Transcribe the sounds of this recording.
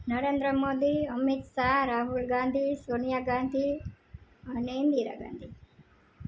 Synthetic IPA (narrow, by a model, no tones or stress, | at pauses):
nɐɾeːnd̪ɾəmoːd̪iəmit̪saɾaːɦulɡaːnd̪ʱisoːnijaɡaːnd̪ʱi | ɐnend̪iɾa̰ːɡa̰ːnd̪ʱi